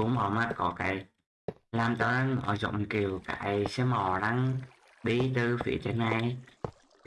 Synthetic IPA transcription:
u˨˦ŋmɔ˧˩ma˧˥t̚kɔ˧˨˦ka˨˩˦j | laː˨˩mt̪a˨˧˩ɾa˧ŋʔɔ̰ː˧˩zɔ̰˧˨ŋ͡mki˨˩əwka̰ː˧˨˩jsɛ˧mɔ˨˩ɗa˧ŋ | ɗi˧t̪ɨ˧˩fḭ˧˨˩ət͡ɕə˨˧˦nːa˧˩j

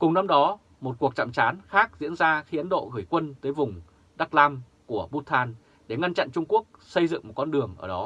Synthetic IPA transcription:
kʊ˨˩ŋ͡mna˧mɗɔ˨˦ | mo˨˩t̚ku˨˩ək̚t͡ɕa̰˧˨mt͡ɕaː˨˦nxaː˦˥k̚zḭ˧˥ənzaː˧xi˧ʔə˨˦nɗo̰˧˨ɣɨ˧˩əjkwə˧nt̪əː˨˦jvʊ˨˩ŋ͡m | ɗa˦˥k̚laː˧m | ku˧˩əɓu˦˥t̪ʰːaː˧n | ɗe˧˩ŋa˧nt͡ɕa̰˧˨nt͡ɕʊ˧ŋ͡mku˦˥ək̚sə˧jzɨ̰˧˨ŋmo˨˩t̚kɔ˧nɗɨ˨˩əŋʔəː˧˩ɗɔ˨˦

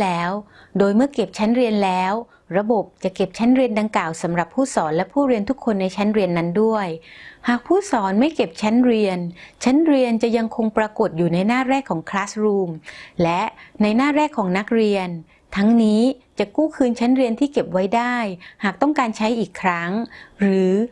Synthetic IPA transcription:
lɛː˦˥w | doː˧jmɯ˥˩əke˨˩p̚t͡ɕʰa˦˥nɾi˧ənlɛː˦˥w | ɾa˧bo˨˩p̚t͡ɕa˨˩ke˨˩p̚t͡ɕʰa˦˥nɾi˧ənda˧ŋklaː˨˩wsa˩˦mɾa˨˩pʰːuː˥˩sɔː˩˦nlɛ˦˥pʰuː˥˩ɾi˧ənt̪ʰu˦˥kʰːo˧nːa˧jt͡ɕʰa˦˥nɾi˧ənːa˦˥ndu˥˩əjhaː˨˩k̚pʰuː˥˩sɔː˩˦nma˥˩jke˨˩p̚t͡ɕʰa˦˥nɾi˧ənt͡ɕʰa˦˥nɾi˧ənt͡ɕa˨˩ja˧ŋkʰo˧ŋpɾa˧ko˨˩t̪̚juː˨˩na˧jnaː˥˩ɾɛː˥˩kʰːɔː˩˦ŋkʰlaː˦˥sɾuː˧mlɛ˦˥na˧jnaː˥˩ɾɛː˥˩kʰːɔː˩˦ŋna˦˥k̚ɾi˧ən | t̪ʰa˦˥ŋniː˦˥t͡ɕa˨˩kuː˥˩kʰɯː˧nt͡ɕʰa˦˥nɾi˧ənt̪ʰiː˥˩ke˨˩p̚wa˦˥jdaː˥˩jhaː˨˩k̚t̪ɔ˥˩ŋkaː˧nt͡ɕʰa˦˥jʔiː˨˩kʰːɾa˦˥ŋɾɯː˩˦

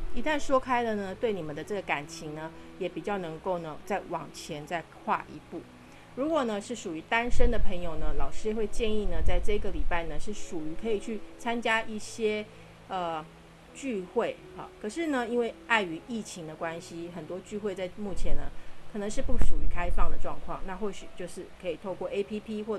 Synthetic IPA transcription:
i˧˥t̪a˥˩nʂwɔ˥kʰa˥ɪd̪ə˨nə˩t̪we˥˩ɪni˨˩mə˨˦nd̪ə˦ʈ͡ʂɤ˥˩ɡə˩ka˨˩nt͡ɕʰi˧˥ŋnə˧jɛ˨˥pi˨˩t͡ɕjɑ˥˩ʊnɤ˧˥ŋko˥˩ʊnə˩t͡sa˥˩ɪwɑ˨˩ŋt͡ɕʰjɛ˧˥nt͡sa˥˧ɪkʰwa̰˥˩ʔḭ˧˥pu˥˩ | ɻu˧˥kwɔ˨˩nə˦ʂɻ̩˥˩ʂu˨˩y˧˥t̪a˥nʂə˥nd̪ə˨pʰə˧˥ŋjo˨ʊnə˦lɑ˨˩ʊʂɻ̩˥˧xwe˥˧ɪt͡ɕjɛ˥˧ni˥˩nə˩t͡sa˥˧ɪʈ͡ʂɤ˥˩i˧˥ɡə˨li˨˩pa˥˩ɪnə˩ʂɻ̩˥˩ʂu˨˩y˧˥kʰɤ˧˥i˨˩t͡ɕʰy˥˩t͡sʰa˥nt͡ɕja˥i˥˩ɕjɛ˥ | ə˨˩ | t͡ɕy˥˧xwe˥˩ɪ | ɑ̰˨˩kʰɤ˨˩ʂɻ̩˥˩nə˨i˥nwe˥˧ɪa˥˩ɪy˧˥i˥˩t͡ɕʰi˧˥ŋd̪ə˧kwa˦nɕi˦xə˨˩nt̪wɔ˥t͡ɕy˥˧xwe˥˧ɪt͡sa˥˧ɪmu˥˩t͡ɕʰjɛ˧˥nd̪ə˧kʰɤ˨˩nə˧˦ŋʂɻ̩˥˧pu˥˩ʂu˨˩y˧˥kʰa˥ɪfɑ˥˩ŋd̪ə˩ʈ͡ʂwɑ˥˧ŋkʰwɑ˥˩ŋna˥˧xwɔ˥˩ɕy˨˩t͡ɕjo˥˧ʊʂɻ̩˥˩kʰɤ˧˥i˨˩t̪ʰo˥˧ʊkwɔ˥˩ʔe˥ɪpʰi˥pʰi˥xwɔ˥˩˨

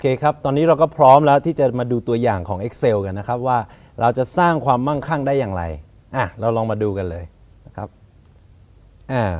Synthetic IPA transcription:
ʔoː˧kʰeː˧kʰa˦˥p̚t̪ɔː˧nːiː˦˥ɾa˧wkɔː˥˩pʰɾɔː˦˥mlɛː˦˥wt̪ʰiː˥˩t͡ɕa˨˩maː˧duː˧t̪u˧ɐjaː˨˩ŋkʰɔː˩˦ŋʔe˦˥k̚se˧wka˧nːa˦˥kʰa˦˥p̚waː˥˩ | ɾa˧wt͡ɕa˨˩saː˥˩ŋkʰwaː˧mːa˥˩ŋkʰa˥˩ŋdaː˥˩jaː˨˩ŋɾa̰˧j | ʔa˨˩ɾa˧wlɔː˧ŋmaː˧duː˧ka˧nlɤː˧j | kʰa˦˥p̚ | ʔaː˨˩

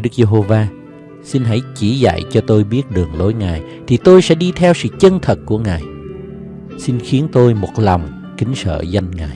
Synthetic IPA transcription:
jɗɨ˦˥k̚ze˧ɦo˧vaː˧ | si˧nɦa˧˩jt͡ɕi˧˩za̰˧˨jt͡ɕɔ˧t̪o˧jɓi˦˥ət̚ɗɨ˨˩əŋlo˨˦jŋaː˨˩j | t̪ʰi˨˩t̪o˧jsɛ̰˧˥ɗi˧t̪ʰɛ˧wsɨ̰˧˨t͡ɕə˧nt̪ʰə˨˩t̚ku˧˩əŋaː˨˩j | si˧nxi˨˦ənt̪o˧jmo˨˩t̚la˨˩wŋ͡m | kï˨˦ŋ̟sə̰ː˧˨za˧jŋŋaː˨˩j

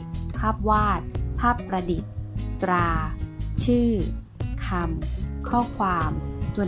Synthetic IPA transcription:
pʰaː˥˩p̚waː˥˩t̪̚pʰaː˥˩pːɾa˧di˨˩t̪̚ːɾaː˧t͡ɕʰɯː˥˩ | kʰa˧mkʰɔː˥˩kʰwaː˧mt̪ʰu˧

